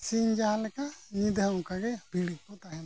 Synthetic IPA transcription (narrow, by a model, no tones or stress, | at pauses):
siɲd͡ʒaalɛkaɲid̪ʱəukaɡɛbʱiɽikːɔt̪aɦɛn